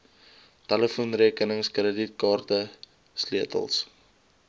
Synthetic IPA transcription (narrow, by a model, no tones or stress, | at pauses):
tɛləfunriəkənəŋskrədit̚kɑːrtə | sliətə̰lˠs